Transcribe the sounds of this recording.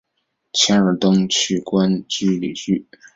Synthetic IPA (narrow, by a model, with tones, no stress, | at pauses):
t͡ɕʰja˥ə˞˨˩t̪ʊ˥ŋt͡ɕʰy˥˩kwa˥nt͡ɕy˥lḭ˨˩ɕy˥˩